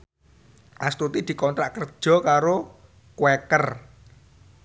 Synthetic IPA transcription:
ʔast̪ut̪id̪̥i̤kɔnt̪ɾaʔkərd̥ʒ̥ɔ̤kaɾo | kwekər

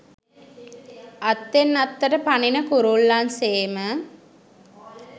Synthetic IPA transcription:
ʔat̪ːenːat̪ːəʈəpaninəkuɾulːanseːmə

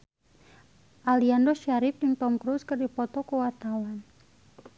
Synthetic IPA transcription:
ʔaliandɔʃaɾɪf̚dəŋt̪ɔmkɾuskərdipɔt̪ɔkuwart̪awan

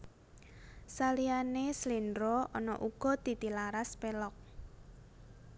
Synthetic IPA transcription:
salianeslindɾɔɔ̰nɔ̰ʔuɡ̥ɔ̤d̪̥i̤t̪ilaɾaspelɔk̚

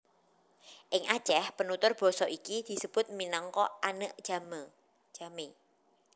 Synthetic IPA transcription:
ʔɪŋḁt͡ʃɛhpənut̪ʊrb̥ɔ̤sɔʔikid̪̥i̤səb̥ʊ̤t̪̚minɔŋkɔʔanəʔʒ̥amə̥ | ʒ̥ame

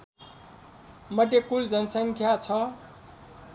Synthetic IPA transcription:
mʌʈ̬ekuld͡zʌnʌsʌŋkʰjat͡sʰʌ

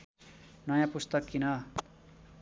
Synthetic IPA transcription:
nʌjãpust̪ʌkːinʌ

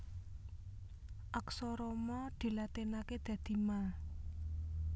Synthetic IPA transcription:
ʔaksɔɾɔmɔd̪̥i̤lat̪enaked̪̥ä̤d̪̥i̤mal

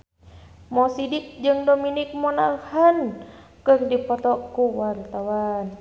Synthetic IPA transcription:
mɔsidik̚d͡ʒɨŋdominik̚mɔnalhankɨrdipɔt̪ɔkuwart̪awan

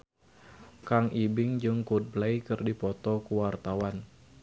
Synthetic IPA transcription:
kaŋibɪŋd͡ʒɨŋkud̚blajkɨrdipɔt̪ɔkuwart̪awan

